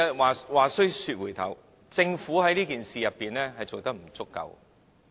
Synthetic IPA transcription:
waː˨waː˨˩sɵ˥ɥsyː˧t̚wuː˨˩jt̪ʰɐ̰˨˩w | t͡sɪ˧ŋfuː˨˥hɐ˨˥jliː˥kiː˨nsiː˨jɐ˨pːiː˨nlɛː˥hɐ˨jt͡so˨wt̪ɐ˥k̚m̩˨˩t͡sʊ˥kːɐ̰˧w

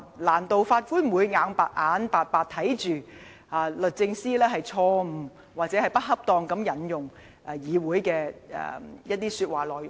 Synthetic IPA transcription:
laː˨˩nt̪o˨wfaː˧t̚kuː˥nm̩˨wuː˨˧jŋaː˨˥ŋpa̰ː˨˩t̚ʔaː˨˥npaː˨˧t̚paː˨˩t̚t̪ʰɐ˨˥jt͡ʃyː˨˩ | ʔaː˨˩lɵ˨t̚t͡sɪ˧ŋsiː˥lɛː˥ɦɐ˨jt͡sʰɔː˧m̩˨˩ | waː˨˩t͡sɛ˨˥hɐ˨jpɐ˥t̚ɦɐ˥p̚t̪ɔː˧ŋkɐ˨˥mjɐ˨˥njʊ˨˩ŋ | ʔɛ˨˩jiː˨˧wuː˨˥jkɛː˧ɛ̰ː˨jɐ˥t̚t̪iː˥syː˧t̚waː˨˩lɔː˨˩jʊ˨

